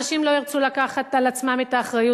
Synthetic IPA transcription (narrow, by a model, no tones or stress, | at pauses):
ʃimlo̞iʁt͡sulakaχat̪alat͡smametaːχʁaju